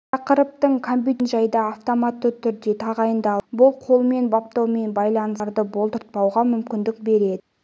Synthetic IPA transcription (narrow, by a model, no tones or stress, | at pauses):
ɑqəɾəp̚t̪əɴkʰompʲit̪nʒɑjd̪ɑːft̪omat̪ːət̪ʰʏɾd̪e̞t̪ʰɑʁɑjənd̪ɑbʊlˠqʰo̞lˠme̞nbɑp̚t̪ɑwme̞nbɑjlˠɑnəsɾd̪əbo̞lˠt̪əɾt̪̚pɑwʁɑmʏmkʲɪnd̪ɪk̚be̞ɾe̞d̪ɪ